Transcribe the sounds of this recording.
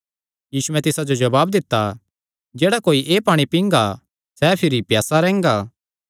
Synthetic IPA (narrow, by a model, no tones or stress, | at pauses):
jiːsuɛ̃t̪ɪsad͡ʒod͡ʒɐbaːbd̪ɪt̪ːa | d͡ʒeːɽakoːiʔeːpaːɽ̃ipĩːŋɡa | sɛpʰɪɾipjaːsaɾɛ̃ːŋɡaː